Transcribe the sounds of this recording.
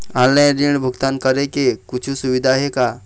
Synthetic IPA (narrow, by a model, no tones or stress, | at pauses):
ãllajɾiɳ̃bʱʊɡt̪ankəɾekekʊt͡ʃʰusuʋɪd̪ʱaɦeka